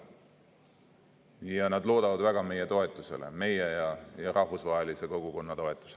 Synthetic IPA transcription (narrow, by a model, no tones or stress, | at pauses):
jɑnɑd̪lo̞ːd̪ɑvɑd̪̥væɡ̥ɑme̞jet̪o̞e̞t̪ːˑuse̞̰lḛme̞jejɑjɑɾɑhvusvɑɦelise̞ko̞ɡ̥uko̞nːɑt̪o̞et̪ːˑu̥se